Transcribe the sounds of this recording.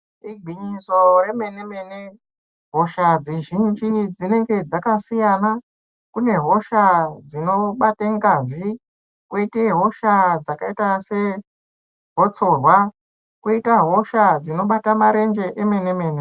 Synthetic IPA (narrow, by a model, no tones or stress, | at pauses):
riɡʱiɲiso̞re̞me̞ne̞me̞ne | ɦo̞ʃad͡zeʒind͡ʒid͡zine̞ŋɡe̞d͡zakasijana | kune̞ɦo̞ʃad͡zino̞ɓateŋɡazi | kweiteɦo̞ʃad͡zakaitase̞ | ɦo̞t͡so̞rwa | kuitaɦo̞ʃad͡zino̞ɓatamaɾe̞nd͡ʒe̞ʔeme̞nemeːne